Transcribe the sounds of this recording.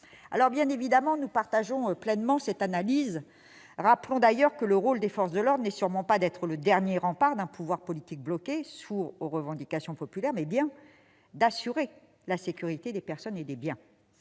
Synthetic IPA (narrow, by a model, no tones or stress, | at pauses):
a̰lɔʁbjɛ̃nevid̪amɑ̃nupaʁt̪aʒɔ̃plɛnmɑ̃sɛt̪analiz | ʁaplɔ̃d̪ajœʁkələʁold̪efɔʁsd̪əlɔʁd̪nɛsyʁmɑ̃pad̪ɛt̪χələd̪ɛʁnjeʁɑ̃paʁd̪ɛ̃puvwaʁpɔlit̪ik̚blɔkʲesuʁoʁəvɑ̃d̪ikasjɔ̃pɔpylɛʁmɛbjɛ̃ | d̪asyʁe | lasekʲyʁit̪ed̪epɛʁsɔned̪ebjɛ̃